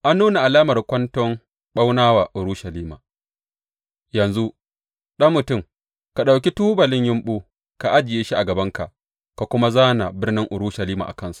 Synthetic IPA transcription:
ʔa˦nːuː˦na˨ʔa˨laː˦mɐ˨rkʷɐ˦ntɔ˦ŋ | ɓa˦wnaː˦waː˨ʔʊ˨ɾuː˦ʃɐ˨liː˦ma̰ː˨ | jɐ˨nzu˦ | ɗɐ˦mːʊ˨tʊ˦˨m | ka˨ɗa˨wk̬ʲi˦tuː˦bɐ˨lɪ˦ɲjɪ˦mɓuː˦ | ka˨ʔa˦d͡ʒɪ˨jeː˦ʃi˦ʔa˨ɡɐ˨bɐ˦ŋka̰˨ʔ | ka˨kʷʊ˦ma˦zaː˦na˨bɪ˦rnɪ˦ŋʔʊ˨ɾuː˦ʃɐ˨liː˦ma̰ː˨ʔa̰˨kɐ˦nsu̥˨ʔ

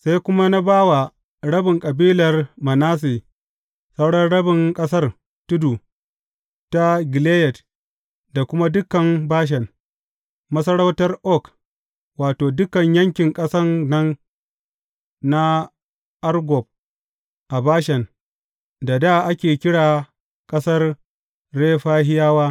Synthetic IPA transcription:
sa˦jkʷʊ˦ma˦na˦baː˦wa˨ | ɽɐ˦bɪ˨ŋkʼɐ˨biː˦lɐ˨rmɐ˨naː˦s̬iː˨ | sɐ˦wɽɐ˦nɽɐ˦bɪ˨ŋkʼɐ˦s̬ɐ˦r | tʊ˦du˨ | ta˦ɡɪ˨le˦jɛ˨d | da˨kʷʊ˦ma˦dʊ˦kɐ˨mbaː˦ʃ̬ɛ˨n | mɐ˦sɐ˦ɽɐ˦wtɐ˦rʔɔ˦˨k | waː˨toː˨dʊ˦kɐ˨ɲjɐ˦ŋkʲɪ˨ŋkʼɐ˦sɐ˦nːɐ˦n | a˦ | ʔɐ˦rɡʷɔ˨b̚ | ʔa˨baː˦ʃɛ˨n | da˨da˦ʔa˦kʲeː˨kʲɪ˦ɽaː˨ | kʼɐ˦sɐ˦r | ɾeː˦ɸaː˦ɦɪ˦jaː˦waː˦

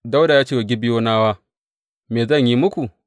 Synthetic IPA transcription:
da˦wdaː˨jaː˦t͡ʃeː˦˨a˨ɡʲɪ˦bɪ˦joː˦naː˦waː˦ | meː˨zɐ˦˨ɲji˦mʊ˦kʷu˨

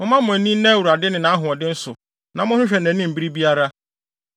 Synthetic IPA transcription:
mʊ̃˦mã˦mʊ̃˨æ˨nĩ˦nɛ̃˦wu˨ɾa˨dɪ˦nɪ̃˨nã˨a˦ɦʊ̃˨ɔ˨dɪ˦n̩˦sʊ˨ | nã˨mʊ̃˦hʊ̃˦ɕᶣɛ˨næ̃˨˦nĩ˦m̩˨bi˦ɾi˦bi˦a˦ɾa˦

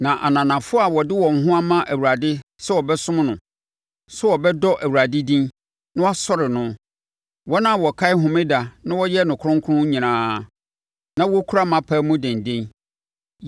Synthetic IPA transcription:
nã˨ʔa̰˨nã˨nã˨fʊ˦a˨wɔ˨dɪ˦wɔ̃˨ŋ̩˨˦ɦʊ̃˦a˦mã˦ʔæ˨wu˨ɾa˨dɪ˦sɛ˦wɔ˨bɛ˦sʊ̃˦m˦nʊ̃˨ | sɛ˦wɔ˨bɛ˦dɔ˦ʔæ˨wu˨ɾa˨dɪ˦dĩ˦n | nʊ̃˦wa˦sɔ˦ɾɪ˨nʊ̃˦ | wɔ˦nã˦˨wɔ˨kʰa˦ɪ˦ɦʊ̃˨mɪ̃˦da˨nã˦wɔ˦jɛ˦nʊ̃˨kʰʊ˦ɾʊ̃˦ŋkʰʊ˦ʊ̃˦ɲĩ˨nãː˨˦˨ | nã˦wɔ˦kʰu˦ɾa˦mã˨pʰaː˦mʊ̃˦dɛ̃˨n˨dẽ˦n

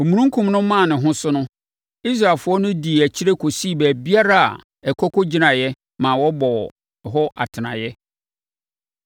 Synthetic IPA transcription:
o˨mũ˨ɾũ˦ŋ˦kʰũ˨mnʊ̃˦mã˦˨nɪ̃˨ɦʊ̃˦sʊ˦nʊ̃˦ | i˦s̬ɾa˨lfʊ˨ɔ˦nʊ̃˦di˨æ˨t͡ɕʰi˦ɾe˦kʰo˨si˦˨bæː˨bi˦a˦ɾa˦a̰˨ | ɛ˨kʰɔ˦kʰɔ˦d͡ʑi˦nã˨jɛ˦ | mã˨wɔ˦bɔ˨ | ɦɔ˦ʔa̰˨tʰɪ˨nã̰˨jɛ˦

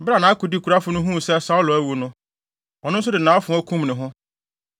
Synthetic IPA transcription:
bɾa˨nã˨a˦ku˨di˦kʰu˨ɾa˦fʊ˨nʊ̃˦ɦũ˦˨sɛ˦sa˦ʊ˦lʊ˨æ˦wu˨nʊ̃˦ | ɔ˨nʊ̃˦n̩˦s̬ʊ˦dɪ˨nã˨˦ɔ˦fʊ̃˨˦ɔ˦kʰũ˦mnɪ̃˨ɦʊ̃˦

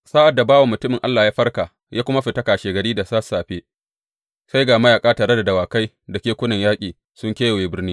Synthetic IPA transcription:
saː˦ʔa˨dːa˨baː˦wa˨mʊ˨tʊ˦mɪ˨ŋʔa̰˦lːaː˨jaː˦ɸɐ˦rkaː˨ | jʔaː˦kʷʊ˦ma˦ɸɪ˨tɐ˦kaː˨ʃeː˨ɡɐ˨ɽiː˦da˨saː˦sːaː˨ɸeː˦ | sa˦jɡaː˨ma˦jaː˨kʼaː˦taː˨ɾe˦da˨dɐ˨waː˨ka˦j | dɐ˨kʲeː˦kʷʊ˦nɐ˨ɲjaː˦kʲʼiː˨ | sʊ˦ŋkʲeː˦ja˨weː˨bɪ˦rniː˦

